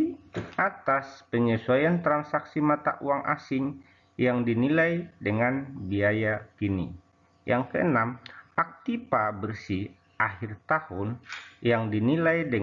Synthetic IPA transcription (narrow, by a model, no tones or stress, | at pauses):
ʔat̪aspəɲəsuajant̪ɾansaksimat̪a̰ʔuaŋʔa̰sɪŋ | jaŋdinilajdəŋanbiajakinḭ | jʔaŋkəʔənamʔak̚t̪ipabərsi | ʔahɪrt̪ahʊnjaŋdinilajdə